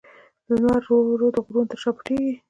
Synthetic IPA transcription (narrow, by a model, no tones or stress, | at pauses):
lənwaɾːoɾod̪əɣɾunt̪əɾʃɑpə̥ʈeɡi